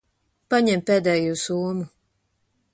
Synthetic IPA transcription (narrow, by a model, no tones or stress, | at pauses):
paɲɛmpeːd̪ɛːjuːsuɔmu